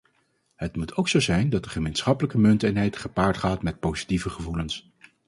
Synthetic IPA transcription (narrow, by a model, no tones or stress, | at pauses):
ɦətmutʰowksowzɛjndɑtdəχəmejnsχɑpələkəmɵntənɦɛjtχəpaːɹtχaːtmɛt̚powzi̥tivəχəvuləns